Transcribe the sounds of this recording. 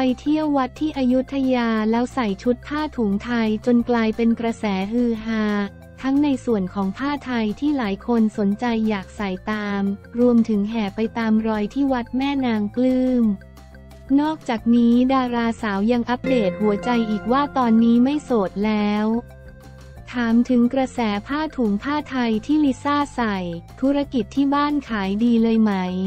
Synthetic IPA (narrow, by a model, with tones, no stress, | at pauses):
pa˧jt̪ʰi˥˩əwːa˦˥t̪ʰːiː˥˩ʔa˧ju˦˥t̪ʰːa˧jaː˧lɛː˦˥wsa˨˩jt͡ɕʰu˦˥t̪̚pʰaː˥˩t̪ʰuː˩˦ŋt̪ʰa˧jt͡ɕo˧nklaː˧jpe˧nkɾa˧sɛː˩˦ɦɯː˧ɦaː˧ | t̪ʰa˦˥ŋna˧jsu˨˩ənkʰɔː˩˦ŋp̪ʰaː˥˩t̪ʰa˧jt̪ʰiː˥˩laː˩˦jkʰo˧nso˩˦nt͡ɕa˧jːaː˨˩k̚sa˨˩jt̪aː˧mɾu˧əmt̪ʰɯ˩˦ŋɦɛː˨˩pa˧jt̪aː˧mɾɔː˧jt̪ʰiː˥˩wa˦˥t̪̚mɛː˥˩naː˧ŋklɯː˥˩m | nɔː˥˩k̚t͡ɕaː˨˩k̚niː˦˥daː˧ɾaː˧saː˩˦wja˧ŋʔa˦˥p̚deː˨˩t̪̚hu˩˦ɐt͡ɕa˧jʔiː˨˩k̚waː˥˩t̪ɔː˧nːiː˦˥ma˥˩jsoː˨˩t̪̚lɛː˦˥w | t̪ʰaː˩˦mt̪ʰɯ˩˦ŋkɾa˧sɛː˩˦pʰaː˥˩t̪ʰuː˩˦mpʰaː˥˩t̪ʰa˧jt̪ʰiː˥˩li˦˥saː˥˩sa˨˩jt̪ʰu˦˥ɾa˧ki˨˩t̪ʰːiː˥˩baː˥˩nkʰaː˩˦jdiː˧lɤː˧jma˦˥j